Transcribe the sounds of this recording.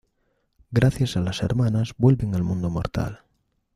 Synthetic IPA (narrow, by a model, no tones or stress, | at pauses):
ɡɾaθjasalasḛɾmãnazbwe̞lβeŋalmũnd̪omo̰ɾt̪a̰l